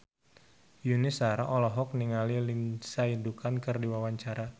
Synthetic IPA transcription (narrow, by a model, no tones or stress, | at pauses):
junɪsaɾaʔɔlɔɦɔk̚niŋalilinsaindukankərdiwawaɲt͡ʃaɾa